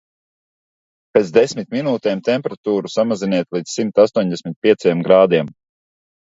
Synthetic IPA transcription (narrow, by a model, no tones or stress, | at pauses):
peːt̪zd̪esʲmit̪minuːt̪ɛːmt̪empeɾat̪uːɾusamaziniɛt̪lˠiːd̪ssimt̪ast̪uɔɲd̪esʲmʲit̪̚pʲiɛt̪sajɛmɡɾaːd̪iɛm